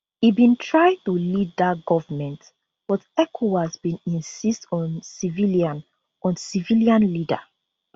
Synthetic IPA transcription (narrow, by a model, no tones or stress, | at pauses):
hibĩntʰɹaɪd̚tuliddaɡɔvəmɛ̃nt | b̥ɔtɛkʰoazbĩnĩnsistɔ̃nsiviliãn | ɔ̃nsiviliãnlida̰